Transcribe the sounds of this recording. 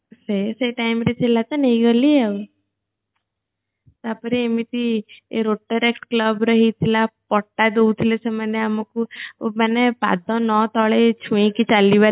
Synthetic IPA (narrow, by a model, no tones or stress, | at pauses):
seseʈajmɾet͡ʃelat̪ɔnəĩɡəlieu | t̪apəɾeemit̪iḛɾoʈːəɾekʈkləbɾəɦit̪ʰilapɔʈːad̪out̪ʰilet͡ʃʰɛmaneamɔkũmanepa̰d̪ɔ̃nɔt̪ɔɭet͡ʃʰũĩkit͡ʃaliʋa